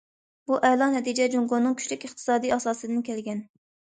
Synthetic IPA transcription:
buʔɛlˠɑnɛt̪ʰid͡ʒɛd͡ʒoŋɡonːɨŋkʲʰy̥ʃʲlykʲɨχt̪ʰɨ̥sɑːd̪ijɑsɑːsɨd̪ɨnkʲʰɛlɡʲɛn

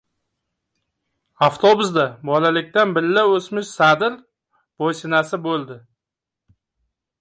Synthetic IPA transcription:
aft̪ʰobʊsd̪abɒlalɪkʲt̪anbɪlːaɵsmɪʃsad̪ɪɾ | b̥ojsɪnasɪbolˠd̪ɪ

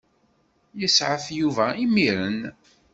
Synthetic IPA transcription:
jəsʕəfjuvæimiɾən

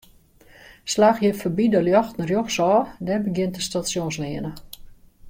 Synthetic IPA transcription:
slaːxjəfəbidəljɔxtnərjoxsɔːdɛbəɡjɪntəstasjonslɪənə

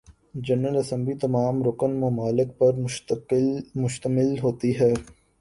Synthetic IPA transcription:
d͡ʒɐnːəlɐsə̃mblit̪ɐmaːmɾʊkənmɐmaːlɪk̚pɐɾ | mʊʃt̪əmɪlɦoːt̪iɦɛː

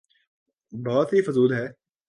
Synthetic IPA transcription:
bɔːt̪ɦifʊzuːd̪ɦɛː

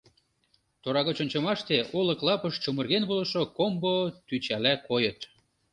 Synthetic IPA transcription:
t̪oɾɑɣot͡ɕŏnʲt͡ɕɤ̆mɑʃt̪eʔolɤ̆klɑpɤʃt͡ɕomə̆rɣenβolɤʃokombot̪yt͡ɕælækojɤ̆t̪

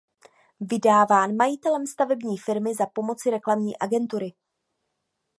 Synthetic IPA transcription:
vɪdaːvaːnmajɪt̪ɛlɛmst̪avɛbɲiːfɪɾmɪzapo̞mo̞t͡sɪɾɛklamɲḭːʔaɡɛnt̪uɾɪ

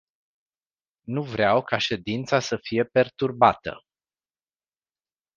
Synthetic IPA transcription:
nuvɾeawkʰaʃe̞d̪int̪sasəfije̞pe̞rt̪urbat̪ə̰

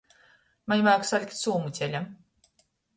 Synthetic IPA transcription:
maɲʲmaːksalʲkʲt̪suːmut͡s̪ʲelʲam

